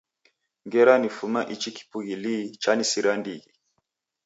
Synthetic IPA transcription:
ŋɡɛɾanifumaʔit͡ʃiki̥puɣilit͡ʃanisiɾandiɣi

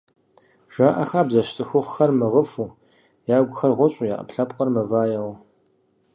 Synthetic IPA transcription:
ʒ̥aːʔɐ̰xaːbzɐʃtʼɨxʷʊχxɐrmɨʁəfuː | jaːɡʷʊxɐrʁʷɔɕʼuja̰ːʔɐ̰pɬɐpʼqɐrmɐvaːjɐʁ

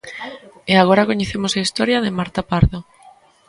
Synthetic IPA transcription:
eaɣ̞oɾakoɲeθemʊsaist̪ɔɾjɐðɪmaɾt̪apaɾðo

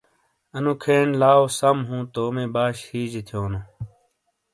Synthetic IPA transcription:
ɐnũːkʰeːɳlaːoːsɐmɦũːt̪oːmẽːbaːɕhiːd͡ʑet̪ʰijoːnũː

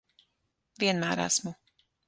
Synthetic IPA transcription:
ʋiɛnmaːɾa̰ːsmu

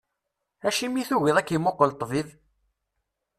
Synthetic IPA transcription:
æʃimiθuwɪðˤækːimoqːəlt̪ˤːvið

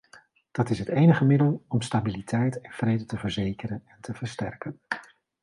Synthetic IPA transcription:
d̥ɑtɪsɦətejnəχəmɪdəlˠɔmstabilitʰɛjtɛnv̥rejdətəvəɹzejkərənɛntʰəvəɹstɛ̰rkən

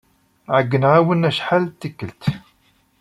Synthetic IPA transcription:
ʕəɡːənʕawənæʃħalt̪ːikːəlt̪

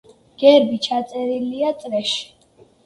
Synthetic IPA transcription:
ɡ̥ɛɾbit͡ʃʰat̪sʼɛɾiliat̪sʼɾɛʃ

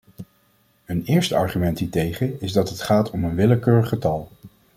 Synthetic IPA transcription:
ənɪːɹstəɑ̰ɹχymɛntɦiːtejχəɪzdɑtətχaːtʰɔmənʋɪləkøːɹəχətɑlˠ

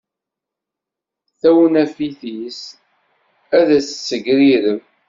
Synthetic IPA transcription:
θæwənæfiθis | æðæsə̥t͡sːəʝɾiɾəm

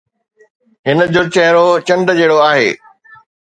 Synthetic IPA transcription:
ɦɪnə̆d͡ʑoːt͡ɕɐɦɪɾot͡ɕɐ̃nɖd͡ʑeːɽoaːɦḛː

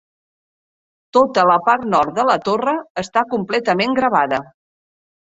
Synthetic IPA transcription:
t̪ot̪ələpaɾt̪nɔɾt̪̚d̪ðələt̪orəːst̪akumplɛt̪əmeŋɡɾəβ̞aðə

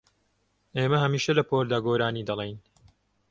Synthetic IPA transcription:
eːmɐɦɐmiːʃɐlɐpoːɾd̪aːɡoːɾaːniːd̪ɐlˠejn

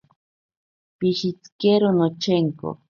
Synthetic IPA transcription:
pihit͡skeɾonot͡ʃeŋko̰

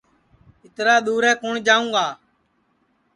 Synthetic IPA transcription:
ɪt̪ɾaːɗ̪uːɾɛ̃ːkoːɳd͡ʒaːũːɡaː

